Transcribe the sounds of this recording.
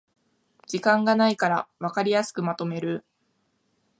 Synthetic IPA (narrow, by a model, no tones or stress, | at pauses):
d͡ʑikãŋɡanaikaɾaβakaɾʲijasɨ̥kɯ̟mat̪o̞me̞ɾɯ̟